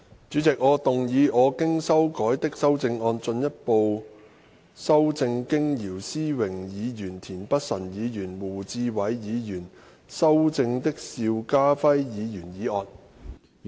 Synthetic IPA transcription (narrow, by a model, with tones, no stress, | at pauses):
t͡syː˨˥t͡sɪ˨k̚ŋɔː˨˧t̪ʊ˨ŋjiː˨˧ʔɔː˨˧kɪ˥ŋsɐ˥wkɔː˨˥jt̪ɪ˥k̚sɐ˥wt͡sɪ˧ŋɔː˧nt͡sɵ˧njɐ˥t̚po˧w | sɐ˥wt͡sɪ˧ŋkɪ˥ŋjiː˨˩wsiː˥wɪ˨˩ŋjiː˨˧jyː˨˩nt̪ʰiː˨˩npɐ˥t̚sɐ˨˩njiː˨˧jyː˨˩nwuː˨˩t͡siː˧wɐ˨˥jːiː˨˧jyː˨˩n | sɐ˥wt͡sɪ˧ŋt̪ɪ˥k̚siː˧wkaː˥fɐ˥jjiː˨˧jyː˨˩njiː˨˥ɔː˧n